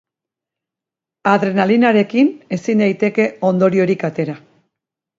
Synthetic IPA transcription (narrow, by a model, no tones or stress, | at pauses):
aðɾe̞nalinaɾe̞kine̞sind̪ajt̪e̞ke̞o̞nd̪o̞ɾio̞ɾikat̪e̞ɾa